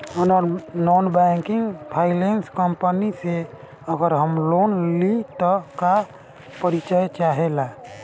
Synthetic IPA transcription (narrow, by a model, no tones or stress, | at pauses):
nɔnbɛŋkiŋɡpʰailenskəmpənise | əɡəɾɦəmlonlit̪ɔka | pəɾit͡ʃəet͡ʃaɦela